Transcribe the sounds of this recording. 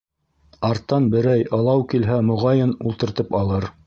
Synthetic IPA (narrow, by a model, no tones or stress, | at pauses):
ɑɾt̪ːɑnbɘ̆ɾæjɤ̆lˠɑwkilɦæmŏʁɑjɤnulˠt̪ɤ̆ɾt̪ɤpɑlˠɤɾ